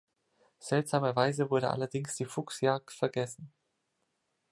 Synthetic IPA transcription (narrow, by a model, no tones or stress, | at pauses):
z̥ɛltz̥aːmɐvaɪzəvʊɐɾəʔa̰lɐdɪŋsd̥iːfʊksjaːk̚tfɛɐɡɛsn̩